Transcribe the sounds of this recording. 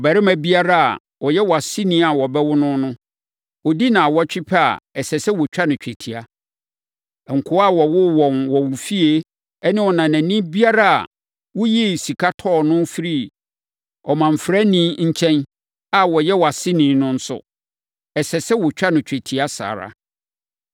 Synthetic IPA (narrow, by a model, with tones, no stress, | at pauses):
ɔ˨bɛ˨ɾɪ˦mæ̃˨bi˦a˦ɾa˦a̰˨ | wɔ˨jɛ˦wɔ˨a˨sɪ˦nĩ˦a˨wɔ˨bɛ˦wʊ˦nʊ̃˦nʊ̃˦ | wɔ˨di˦nã˨wɔ˦t͡ɕᶣɪ˦pʰɛ˦a̰˨ɛ˨sɛ˨sɛ˦wɔ˨t͡ɕᶣa˦nʊ̃˨t͡ɕᶣe˨tʰi˨a˨ | ŋ̩˨kʰʊ˦a˦˨wɔ˨wʊ˦wɔ̃˨nwɔ˨wʊ˨fi˦e˦ | ɛ˦nɪ̃˦wɔ˨nã˨næ̃˨nĩ˦bi˦a˦ɾa˦a̰˨ | wʊ˦jɛ˦˨si˨kʰa˦tʰɔ˦˨nʊ̃˦fi˦ɾi˦ | ɔ˨mã˨m̩˨fɾa˦nĩ˦ɲ̩˦t͡ɕʰɛ̃˦n | a˨wɔ˨jɛ˦wɔ˨a˨sɪ˦nĩ˨˦nʊ̃˦n̩˦sʊ̰˦˨ | ɛ˨sɛ˨sɛ˦wɔ˨t͡ɕᶣa˦nʊ̃˨t͡ɕᶣe˨tʰi˨a˦sa̰ː˨ɾa̰˨